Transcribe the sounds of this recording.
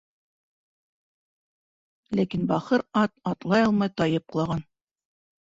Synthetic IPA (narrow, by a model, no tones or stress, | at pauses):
lækinbɑχɤɾɑt̪ɑt̪lˠɑjɑlˠmɑjt̪ɑjɤp̚qɤ̆lˠɑʁɑn